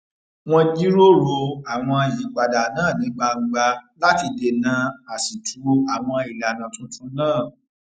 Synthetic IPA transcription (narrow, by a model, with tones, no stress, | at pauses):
w̃ɔ̃˧d͡ʒi˦ɾo˦ɾo˧a˨w̃ɔ̃˧ji˨˦ɡ͡ba˨da˨nãː˦˨nĩ˨˦ɡ͡ba˧ŋ͡m̩˨ɡ͡ba˧la˦ti˧de˧nã˨˦a˨si˨tʰu˨˦a˨w̃ɔ̃˧i˨la˨nã˨tũ˦tũ˦nãː˦˨